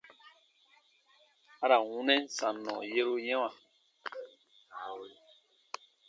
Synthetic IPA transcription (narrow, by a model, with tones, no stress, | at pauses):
a˦ɾa˨wũ˨˦nɛ̃˦n˦sa˨nɔ̰̃˨je˦ɾu˦jɛ̃˦wã˨